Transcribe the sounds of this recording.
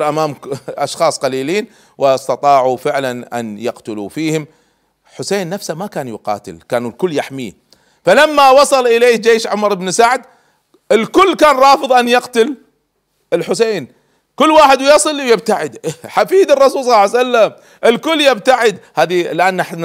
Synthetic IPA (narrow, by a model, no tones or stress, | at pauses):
ɾʔamaːmʔɑʃxɑːsˤqɑliːliːn | wɪɑst̪ɑt̪ˤɑːʕufɪʕlanʔa̰njaqt̪ʊlṵfiːhɪm | ħʊseːnːafsamakaːnjʊqɑ̰ːt̪ɪ̰lkaːnulkʊlːjaħmḭː | falamːawɑsˤɑlʔɪleːd͡ʒeːʃʕʊmɑɾˤɪbnsaʕd̪ | ʔɪlkʊlːkaːnɾˤɑːfɨðˤʔanjɑqt̪ʊl | ɪlħʊseːn | kʊlːwaːħɪd̪wjɑsˤɨlwjɪb̚t̪aʕɪd̪ħafiːd̪ɨrˤːɑsuːlsˤɑlːsalːam | ʔɪlkʊlːjɪb̚t̪aʕɪd̪haːðilʔaːnːaħ